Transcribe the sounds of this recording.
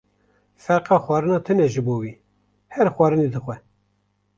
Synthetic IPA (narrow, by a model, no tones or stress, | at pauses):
fɛɾqɑːxwɑːɾɨnɑːt̪ʰɨnɛʒɨboːwiː | hɛɾxʷɑːɾɨned̪ɨxʷɛ